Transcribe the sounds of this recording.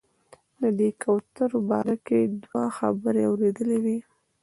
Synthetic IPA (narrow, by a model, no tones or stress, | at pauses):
d̪əd̪ekʰawt̪əɾbɑ̰ɾaked̪waxa̰bəɾeawɾed̪əlewi